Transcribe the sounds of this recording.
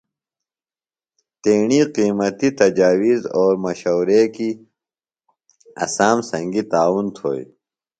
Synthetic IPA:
t̪eːɳiqiːmɐt̪it̪ɐd͡ʑaːwizɔːɾmɐɕowɾeːki | ɐ̰saːmsɐ̃ŋɡit̪aːwunt̪ʰo̰ːj

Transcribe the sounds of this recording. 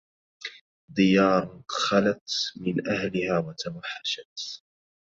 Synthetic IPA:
d̪ɪjɑːɾˤxalat̪mɪnʔahlɪhaːwat̪awaħːaʃat̪

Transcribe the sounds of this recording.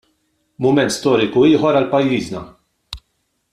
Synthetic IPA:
mʊmɛnt̪st̪ɔːɾɪkuiːħɔɾɐlpɐjːiːznɐ

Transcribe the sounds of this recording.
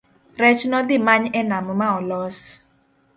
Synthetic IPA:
rɛt͡ʃnɔd̪ɪmaɲɛnamɔmaɔlɔs

